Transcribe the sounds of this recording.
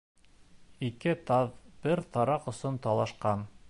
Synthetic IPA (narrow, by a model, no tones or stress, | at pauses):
ikɘt̪ɑðb̥ɘɾt̪ɑɾɑqŏsont̪ɑlˠɑʃqɑn